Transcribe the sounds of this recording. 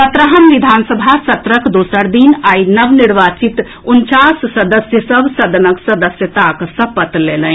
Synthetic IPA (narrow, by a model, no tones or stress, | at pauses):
sət̪ɾəɦəmʋid̪ʱansəbʱasət̪ɾəkd̪osəɾd̪inainəʋniɾʋat͡ʃit̪ | unt͡ʃassəd̪əsjəsəbʱsəd̪ənəksəd̪əsjət̪aksəpət̪lelə